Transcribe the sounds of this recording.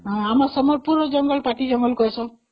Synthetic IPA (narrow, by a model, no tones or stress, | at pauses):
ɦãamɔɾsɔmɔɾpuɾɔd͡ʒɔŋɡɔlpaʈid͡ʒɔŋɡɔlkɔjsɔ̃